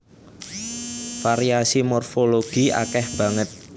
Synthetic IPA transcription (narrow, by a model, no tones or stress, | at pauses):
faɾiasimɔrfoloɡ̥iʔa̰kɛhb̥a̤ŋət̪̚